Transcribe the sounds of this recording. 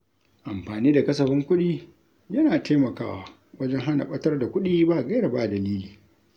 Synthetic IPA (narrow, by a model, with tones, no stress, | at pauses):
ʔa˨mɸaː˨niː˦da˨kɐ˦s̬ɐ˨ɸɪ˦ŋkʷʊ˦ɗiː˦ | jɐ˦naː˨tʰeː˦mɐ˨kaː˦wa̰˨ | wɐ˦d͡ʒɛ˦ŋɦa˦na̰˨ɓɐ˦tɐ˦rda˨kʷʊ˦ɗiː˦baː˦ʔɡɐ˦jɽɐ˨baː˦ʔdɐ˨liː˦liː˨